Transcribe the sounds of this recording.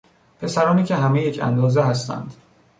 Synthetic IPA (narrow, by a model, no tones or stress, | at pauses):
pʰe̞sæɾɒːniːcʰe̞ɦæmejecʰæ̰nd̪ɒːzeɦæst̪ʰæ̰nd̪̥